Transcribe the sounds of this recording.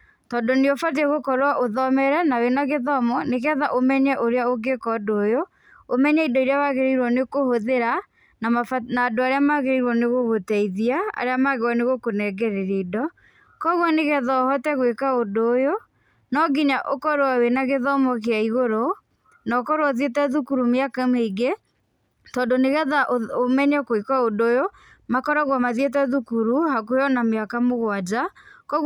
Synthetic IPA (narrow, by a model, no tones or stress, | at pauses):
tɔːndɔneɔfat̬eɣokɔɾwaʔoðɔmɛɾɛnawenaɣeðɔmɔnekɛðaʔomɛɲɛʔoɾeaoɡekɔdoːjo | omɛɲɛidɔiɾeawaɣeɾeiɾwɔnekohoðeɾa | namafanaːdoaɾeamaɣeiɾwɔneɣoɣotɛiðiaa̰ɾeamaɣewɔneɣokonɛɡɛɾeɾedɔ | kɔɣwɔneɣɛðɔːhɔtɛɣwekaodoːjo | nɔɡiɲaʔokɔɾwawenaɣeðɔmɔk̬eaiɣoɾo | naokɔɾwaðjetɛðukuɾumeakameiɡe | tɔːndoneɣɛðaʔoomɛɲɛkoekaodoːjo | makɔɾaɣwamaðet̬ɛðukuɾuhakujɔnameakamoɣwad͡ʒakɔɣ